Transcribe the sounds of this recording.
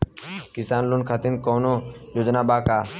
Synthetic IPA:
kisaːnlunkʰat̪in̚koːnojud͡ʒnaːbaːkaː

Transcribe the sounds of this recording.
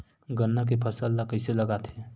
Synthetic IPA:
ɡənːak̬epʰəsəlːakəɪselɐɡat̪ʰɛ

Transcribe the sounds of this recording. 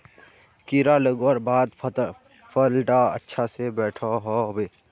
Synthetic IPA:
kiɾaləɡwəɾbaːd̪ | fəlʈaə̰tːʃʰasebɛːʈʰaɦoːweː

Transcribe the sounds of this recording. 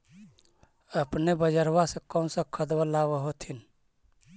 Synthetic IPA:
əpnebəd͡ʒəɾwasẽkənsə̃kʰəd̪wəlawəɦot̪ʰin

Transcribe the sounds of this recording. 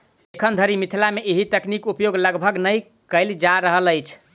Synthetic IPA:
ekʰənd̪ʱəɾimit̪ʰilameʔeɦit̪əknikupjoɡləɡbʱəɡnəj | kəɪld͡ʒaɾəɦələjt͡ʃʰ

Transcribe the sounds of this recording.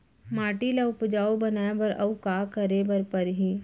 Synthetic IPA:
maːʈilaʊpd͡ʒaːobɐnaːebəɾʔɐwkaːkɐɾebɐɾpɐɾɦiː

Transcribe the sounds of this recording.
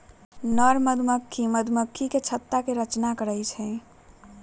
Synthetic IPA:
nəɾməd̪ʱməkʰːiməd̪ʱməkʰːiket͡ʃʰət̪ːakeɾət͡ʃnakəɾəjt͡ʃʰɛ

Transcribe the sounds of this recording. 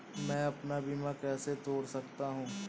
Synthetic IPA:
mɛ̃ːɐpnabimakɛːset̪oːɽsɐk̚t̪aɦũː

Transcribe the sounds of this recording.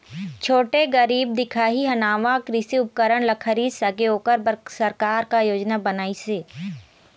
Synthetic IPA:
t͡ʃʰoːʈeɡəɾiːb̚d̪ɪkʰaːɦiɦɐnaːʋakɾɪsiʊp̚kəɾəɳlɐkʰəɾisɐɡeoːkəɾbəsɐɾkaːɾkajoːd͡ʒnabənaːiseː

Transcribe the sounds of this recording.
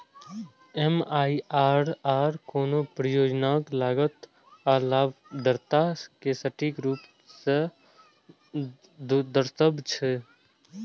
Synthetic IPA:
emaːiaːɾaːɾkoːnopɾəjoːd͡ʒnaːklaːɡət̪ | aːlabd̪əɾt̪akesəʈikɾuːp | se | d̪əɾt̪əbʱt͡ʃʰe

